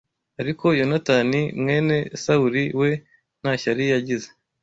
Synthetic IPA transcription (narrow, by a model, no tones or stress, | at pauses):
aɾiko̞jonatanimŋe̞ːne̞sauɾiwe̞ | naçaɾijaɟize